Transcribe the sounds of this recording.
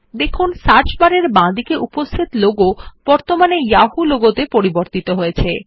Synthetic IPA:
d̪ekʰunsaɾt͡ɕbaɾeɾbãd̪ikeʔupost̪ʰit̪loɡob̥ɔɾt̪omanejaɦuloɡot̪epoɾiboɾt̪it̪oɦojet͡ɕʰe

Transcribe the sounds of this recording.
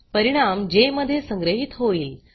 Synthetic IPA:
pəɾiɽ̃amd͡ʑeməd̪ʱːjesə̃ŋɡɾəɦit̪ɦoiːl

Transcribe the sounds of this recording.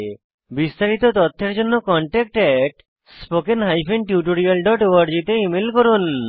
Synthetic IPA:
bist̪aɾit̪ot̪ɔt̪ʰːeɾd͡ʑonːokɔɳʈɛk̚ʈɛʈ | spokenɦajpenʈjuʈoɾialɖɔʈoaɖd͡ʑit̪eimelkoɾun

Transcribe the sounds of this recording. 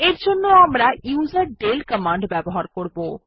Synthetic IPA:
eɾd͡ʑʱonːoamɾauzaɾɖelkəmaɳɖbɛboɦaɾkoɾbo

